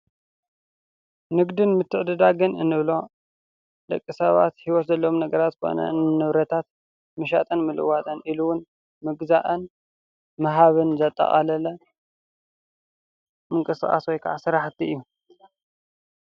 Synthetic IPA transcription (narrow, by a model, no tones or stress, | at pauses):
nɨɡd̪ɨnmɨt̪ʰːɨʕd̪ɨd̪aɡɨnɨnːɨβlo̞ | d̪̥ɐkʼːisɐβa̰t̪hiwɔt̪zɐlːɐwomnɐɡɐɾat̪ʰo̰nɐ̰nnɨβɾɐt̪ʰat̪ | mɨʃ̬a̰t̪ʼɐnmɨlɨ̰wat̪ʼɐnʔiluwʊn | mɨɡzaʔɐn | mɐɦaβɨnzɐt̪ʼːɐ̰χʼɐ̰lɐlɐ | mɨŋkʼɨsɨxʼa̰swɔjkʰa̰ʕasɨɾaħt̪iʔɨjːu